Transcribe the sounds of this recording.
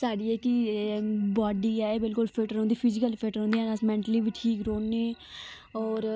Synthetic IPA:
saːɖiːeːkɪ | bɔːɖiːɛːbɪlkʊlpʰeːʈəɾõːnd̪iːpʰɪzɪkəlpʰeːʈəɾɦõnd̪iɛːnãːsmɛ̃ːɳʈliːʋɪʈʰiːkɾoːnːeː | ɔːɾ

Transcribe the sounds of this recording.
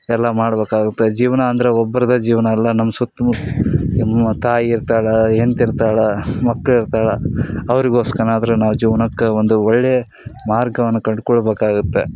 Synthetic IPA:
ɛlːɐmaːɽbeːkaːɡut̪ːed͡ʒiːʋɐnɐːnd̪ɐɾeɔbːɐɾɐd̪ɐd͡ʒiːʋɐnɐːlːɐnɐmːɐsut̪ːɐmu | mːɐt̪aːjiiɾt̪aːɽɐent̪iɾt̪aːɭɐmɐkːɐɭiɾt̪aːɭɐɐʋɐɾiɡoːskɐɳaːd̪ɐɾenaːʋud͡ʒiːʋɐnɐkːeond̪uɔɭːe | maːɾɡɐʋɐnːukɐɳɖkɔɭbeːkaːɡut̪ːe̞

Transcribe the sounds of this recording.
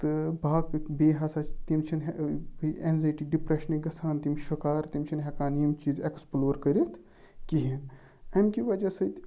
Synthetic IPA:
t̪ɨbʱaːkbeːɦɐsat͡ʃt̪imt͡ʃʰinɦ | enzɐjʈiɖipɾeʃniɡɐsʰaːnt̪imʃukaːɾt̪imt͡ʃʰinɦɛkaːnijmt͡ʃiːzeksploːɾkɐɾit̪ʰ | kiɦin | ɐmkiʋɐd͡ʒasɐt̪

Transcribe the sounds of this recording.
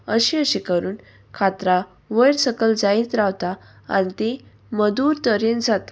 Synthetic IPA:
əɕĩəɕikəɾuːn | kʰat̪ɾa | ʋəjɾsəkəld͡zait̪ɾaʋt̪a | a̰nit̪e | məd̪uːɾt̪əɾend͡zat̪ḁ

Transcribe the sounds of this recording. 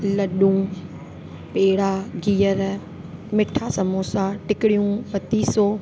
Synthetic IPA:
ləɗũː | peːɽaːɡiːjəɾɛː | mɪʈʰːaːsəmoːsãːʈɪkɽijũːpət̪iːsoː

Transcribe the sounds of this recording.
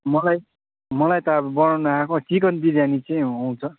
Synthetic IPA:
mʌlaj | mʌlajt̪ʌbʌnawnuakʰõt͡sik̬ʌnd̪iɾjanit͡sʌj̃aw̃t͡sʰʌ

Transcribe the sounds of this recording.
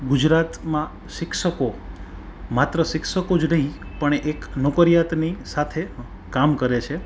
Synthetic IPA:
ɡud͡ʒɾat̪mã | ʃɪkʃəko | mat̪ɾəʃɪkʃəkod͡ʒnəɦĩpəɳeknokəɾjat̪nisat̪ʰe | kamkəɾet͡ʃʰe

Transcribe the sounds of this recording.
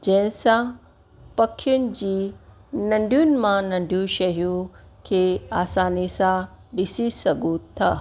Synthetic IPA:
d͡ʑɐ̃ɦɪ̃sã | pɐkʰːijʊnɪ̆d͡ʑiːnɐ̃ɳɖʱijʊnɪ̆mãnɐ̃ɳɖʱijũʃɐɦijũkʰeːaːsaːnisã | ɗɪsisɐɡʱũt̪ʰɐ

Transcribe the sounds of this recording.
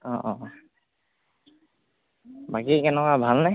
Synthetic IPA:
ɔ̃ʔɔ̃ | bakikɛnɛkwabʱalna

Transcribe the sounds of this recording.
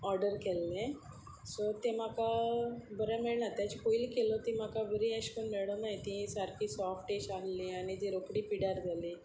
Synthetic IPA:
ɔɾɖəɾkelːẽ | sɔt̪em̤akabəɾamɛɭnat̪jat͡ɕikoilkelot̪ĩm̤akabəɾiəɕkənmeɽɔnajt̪ĩsaɾkʰiːsɔfʈeɕallianit̪iɾokɽiːpiɽaɾd̪ʱali

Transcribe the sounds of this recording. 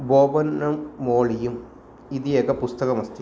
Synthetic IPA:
boːbɐnːɐmːoːɭijum | iðijekːɐpust̪ɐɣɐmɐst̪i

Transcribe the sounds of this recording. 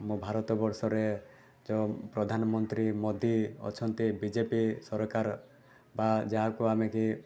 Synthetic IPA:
mũbʱaɾɔt̪ɔbɔɾsɔɾe | d͡ʒɔpɾɔd̪ʱanɔmɔnt̪ɾimɔd̪iɔ̰t͡ʃʰɔnt̪ibid͡ʒepisɔɾkaɾ | bad͡ʒaɦakuameki

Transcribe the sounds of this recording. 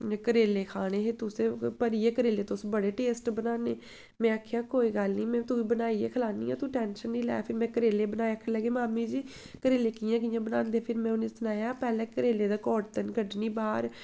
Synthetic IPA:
kəɾeːleːkʰaːɽ̃eːɦet̪ʊsẽːpəɾiːeːkəɾeːleːt̪ʊsbəɽeːʈeːsʈbənaːneː | mɛ̃ːəkʰjaːkoːiːɡəlniːmɛ̃ːt̪ʊiːbənaːiḛːkʰəlaːnḭːã̰ːt̪ʊʈɛːnʃənːiːlɛ̰ːpʰɪɾmɛ̃ːkəɾeːleːbənaːeəkʰːləɡeːmaːmiːd͡ʒiː | kəɾeːleːkɪjãːk̬ijãːbənaːnd̪eːpʰɪɾmɛ̃ːʊnẽːsənaːjaːpɛːlɛ̃ːkəɾeːleːd̪aːkɔːʈt̪ənɡəɖniːbaːɾ

